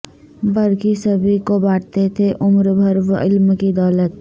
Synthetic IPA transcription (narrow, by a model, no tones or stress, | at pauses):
bɐɾkisɐbʱikobaːʈt̪et̪ʰeʔʊmɾbʱɐɾʋɪlmkid̪ɔːlət̪̚